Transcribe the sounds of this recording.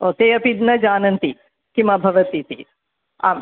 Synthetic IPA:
oːt̪eːɐpid̪nɐd͡ʒaːnɐnt̪i | kimɐbʱɐʋɐt̪it̪ḭ | a̰ː

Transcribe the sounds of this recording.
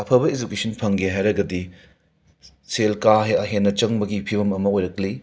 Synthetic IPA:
ɐpʰɐbɐed͡ʒukesʰɐnpʰɐŋɡeɦajɾɐɡɐdi | selkaɦeɦenːɐt͡ʃɐŋbɐɡipʰibɐmɐmɐojɾɐkli

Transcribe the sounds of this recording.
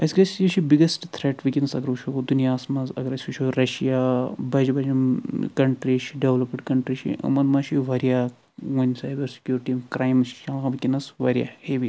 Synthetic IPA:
ɐsʲkɐsʲit͡ʃʰibiɡɐsʈt̪ʰɾeːʈʋikʲinsɐɡɾʋuʃʰood̪unijaːsmɐzɐ̰ɡɐɾɐsʲʋiʃʰoɾɐʃijabɐd͡ʒbɐd͡ʒɐmkɐɳʈɾiʃiɖeʋlɐpmɳʈkɐɳʈɾiʃḭʔɐ̰mɐnmɐʃiʋɐɾija | wɐnʲsaːjbɐɾsi̥kʲjuːɾʈimkɾaːjmʃkɐ̃lɣɐʋikʲinɐsʋɐɾija̰heʋi

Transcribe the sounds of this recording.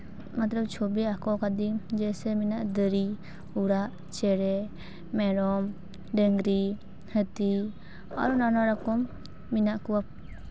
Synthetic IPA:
mat̪lɔb̚t͡ʃʰobiakɔkad̪id͡ʒɛsɛminaʔd̪əɾi | uɽaʔ | t͡ʃɛɾɛ | mɛɾɔm | ɖəŋɡɾi | hət̪i | a̰ɾunanaɾakɔmː | inaʔkuwa

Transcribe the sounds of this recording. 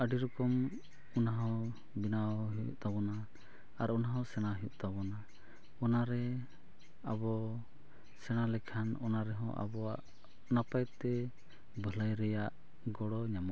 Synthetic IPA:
əɖiɾɔkɔm | ɔnaɦɔ̃ | binaɦijṵʔt̪aβɔna | aɾɔnaɦɔ̃sɛɽ̃aɦijuʔt̪aβɔna | ɔnaɾɛ | abɔ | sɛɽ̃alɛkʰanɔnaɾɛɦɔ̰̃ʔa̰bɔwaʔ | napajt̪ːɛ | bələjɾɛjaʔ | ɡɔɽɔɲamɔ

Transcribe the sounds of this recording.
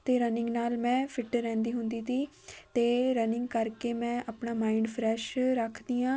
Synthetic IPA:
t̪eːɾənɪ̃ŋɡnaːlmɛ̃ːpʰɪʈɾɛ̃ːnd̪iːɦʊnd̪iːt̪iː | t̪eːɾənɪ̃ŋɡkəɾkeːmɛ̃ːʔəpɳaːmaːiɳɖpʰɾɛːʃɾəkʰd̪iːãː

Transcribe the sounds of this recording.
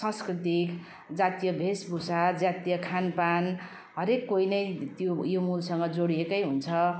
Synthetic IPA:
sʌ̃skrit̪ik | d͡zat̪jʌbʱesbʱusad͡zat̪jʌkʰanpan | ɦʌɾekːoinʌjt̪jojomulsʌŋɡʌd͡zoɽiekʌjɦunt͡sʰʌ

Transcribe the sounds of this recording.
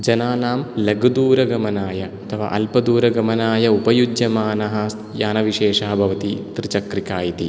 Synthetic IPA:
d͡ʒɐnaːnaːmlɐɡɐd̪uːɾɐɡɐmɐnaːjɐɐt̪ʰɐʋa̰ːʔɐlpɐd̪uːɾɐɡɐmɐnaːjɐupɐjud͡ʒjɐmaːnɐɦɐsjaːnɐʋiʃeːʃɐɦɐbʱɐʋɐt̪it̪ɾit͡ʃɐkɾikaːjit̪i

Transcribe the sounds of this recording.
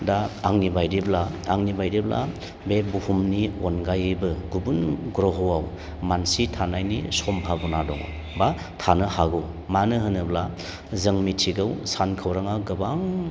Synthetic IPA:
daːŋnibajdiblaːŋnibajɾiblʔa̰ | bebuhumniɔnɡajbɯɡubunɡɾɔɦɯwaw | mansitʰanajnisɔmpʰabɔnadɔŋɔ̰w | ba | tʰanɯhaɡɔ | manɯɦɯnɯbla | zɯŋmitʰiɡɯwsankʰɯwɾaŋaɡɯbaŋ

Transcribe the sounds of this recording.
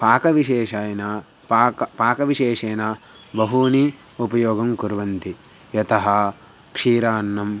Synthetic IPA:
paːkɐʋiʃeːʃaːjɐna | paːkɐʋiʃeːʂeːna | bɐɦuni | upɐjoːɡɐmkuɾʋɐnt̪i | jɐt̪ɐɦɐ | kʂiːɾaːnːɐm

